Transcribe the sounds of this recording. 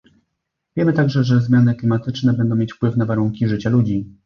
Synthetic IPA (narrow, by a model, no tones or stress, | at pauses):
vʲjɛmɘt̪aɡʐɛʐɛzmʲjanɘklʲimat̪ɘt͡ʂnɛbɛnd̪ɔ̃mʲjet͡ɕfpwɘfnavaɾuŋkʲiʐɘt͡ɕalud͡ʑi